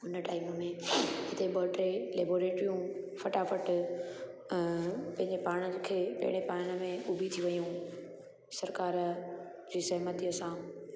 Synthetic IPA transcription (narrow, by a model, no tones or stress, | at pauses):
ʊnəʈaːiməmẽɦɪt̪eɓɔːlʈɾeleːboːɾeːʈɾijũ | fɐʈafəʈ | pɐ̃ɦɪ̃ɲd͡ʑepaːɽ̃əkʰeːpɐ̰ɪɽ̃epaːɽ̃ə̆mẽʊbʱit̪ʰiʋɐjũ | sɐɾkaːɾ | d͡ʑiːsɐɦmət̪iəsãː